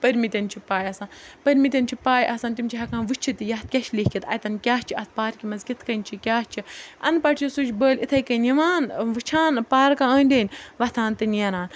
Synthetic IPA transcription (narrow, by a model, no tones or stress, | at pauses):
pɐɾʲmit̪ʲɐnt͡ʃʰipaːjɐsãːpɐɾʲmit̪ʲɐnʲt͡ʃʰipaːjʔɐsãːnt̪imʲt͡ʃʰiɦɐkãːnʋɨt͡ʃʰit̪ijɐt̪̚kʲɐʃlʲiːkʲit̪ʰɐ̰jt̪ɐnkʲaːt͡ʃʰiɐt̪̚ʰpaːɾkʲimɐzkʲit̪ʰkɐnʲt͡ʃʰikʲaːst͡ʃʰiɐnpɐʈʰʲt͡ʃʰisut͡ʃʰʲbəːlʲit̪ʰɐjkɐnjiʋaːnʋɨt͡ʃʰaːnpaːɾkãːəːnʲd̪ʲeːnʲʋɐt̪ʰãːnt̪ɨnjɐnaːn